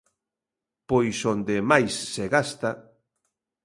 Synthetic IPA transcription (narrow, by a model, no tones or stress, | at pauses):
pojsond̪emajsːeɣast̪a